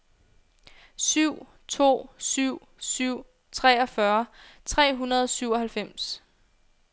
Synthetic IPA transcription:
syʊ̰ | t͡sʰo̝̰ːsyʊ̰ | syʊ̰ | t͡sʰʁɛːɒ̽fɶɐt͡sʰʁɛ̰ːɦunɐðˠɒsyʊɒ̽ɦælfem̰s

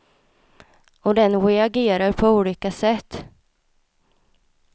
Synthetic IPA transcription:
ɔd̪ɛnwɛaɡeːɾaɾpʰɔuːliːkasɛt̪ː

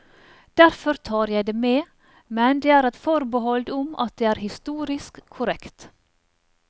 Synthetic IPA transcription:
d̪̥æɾfɔɾt̪ʰɑːɾjæɪd̪eːmeː | mɛnd̪eːæːɾɛt̪fɔɾbəhɔld̪ʊmɑ̰t̪̚d̪eːæːɾhɪst̪uːɾɪskʰːʊɾɛkt̪

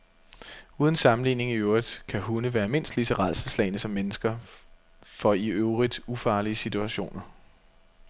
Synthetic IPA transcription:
uːð̞ˠən̩sɑ̈mn̩lḭːne̝ŋioɐð̥ˠkʰæhunəʋæːɐme̝n̰sd̥lit͡sʰeʁɑ̈lsəslɛ̰ɪnəsɒ̽mːenəsɡ̥ɐ | fɒ̽iøʊʁid̥ufɑ̈ːliəsit͡sʰuæɕo̝̰ːnɐ

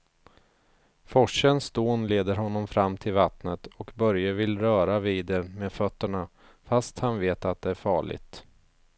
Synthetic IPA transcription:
fɔʂənsd̪oːnleːd̪əɾɦɔnːɔmfɾamːt̪ʰɪlvat̪nət̪ɔkbœɾjəvɪlɾœːɾaviːd̪ɛmeːd̪fœt̪ːəɳa | fast̪hanveːt̪at̪̚d̪ɛæɾfɑ̰ːɭɪ̰ɡ̚t̪

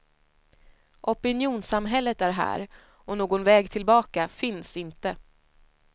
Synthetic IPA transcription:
ʔɔpɪnjuːnsamɦɛlːət̪æɾɦæ̰ːɾ | ɔnoːɡɔnvɛːɡt̪ʰɪlbɑːkafɪnsɪnt̪ə

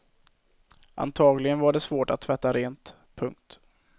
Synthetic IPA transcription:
ʔa̰nt̪ʰɑːɡlɪɡənvaɖɛsvoːʈat̪ʰːvɛt̪ːaɾeːnt̪ | pʰɵŋk̚t̪

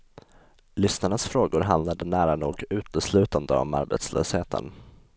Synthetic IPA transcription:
lʏsnaɳasfɾoːɡʊɾɦand̪lad̪ənæːɾanuːɡʉ̟ːt̪əslʉ̟ːt̪and̪əɔ̰ma̰ɾbḛt̪slø̰ːsheːt̪ʰə̰n

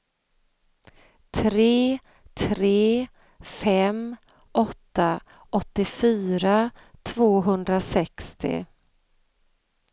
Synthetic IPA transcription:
t̪ʰɾeː | t̪ʰɾeː | fɛm | ʔɔt̪ːa | ʔɔt̪ːɪfyːɾat̪ʰvoːɦɵnd̪ɾasɛkst̪ɪ̰

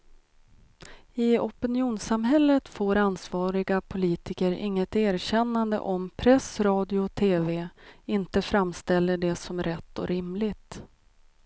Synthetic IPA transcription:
ɪɔpɪnɪuːnsamɦɛlːət̪foːɾansvɑːɾɪɡapʰʊliːt̪ɪkəɾɪ̰ŋːət̪æːɾɕɛnːand̪ə̰ʔɔmpʰɾɛsɾɑːd̪ɪʊt̪ʰeːveɪnt̪əfɾamst̪ɛlːəɖɛsɔmɾɛt̪ːɔ̰ɾɪmlɪt̪

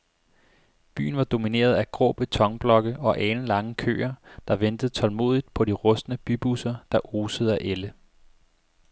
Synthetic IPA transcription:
b̥y̰ːn̩ʋɑ̈d̥o̝mine̝̰ːɐðˠæɡ̥ʁɔ̰ːb̥ət͡sʰɒ̽ŋb̥lɒ̽ɡ̥əɒ̽ʔɛːnn̩lɑ̈ŋəkʰø̰ːɐd̥ɑ̈ʋend̥əð̩ˠt͡sʰɒ̽lmo̝̰ːð̰ˠid̥̚pʰɒ̽ɾ̥iʁɔ̽snəb̥yb̥usɐd̥ɑ̈ʔo̝ːsəð̩ˠæʔelə

